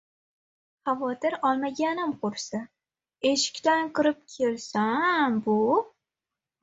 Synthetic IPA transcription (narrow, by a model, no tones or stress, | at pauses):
χavɒt̪ɪɾɒlˠmaɡʲanɪmqʰʊɾsa | eʃɪ̥kʲt̪aŋqɨɾɪp̚kʲʰe̞lsambʊ